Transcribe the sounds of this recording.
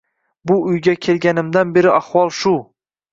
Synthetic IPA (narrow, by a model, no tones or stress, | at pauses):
bʊʊjɡʲakʲʰe̞lɡʲanɪmd̪anbe̞ɾɪahwɒlˠʃʊ